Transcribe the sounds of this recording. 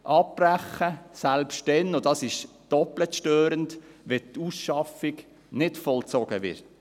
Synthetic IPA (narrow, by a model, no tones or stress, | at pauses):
ʔɑp̚ːræχːəsælpʃtdɛnʊdɑsɪʃ | d̥ɔplətʃtøːɾəntʋɛtusʃɑfiɡ | nɪtfɔlt͡sɔɡ̥əʋɪ̰ɾt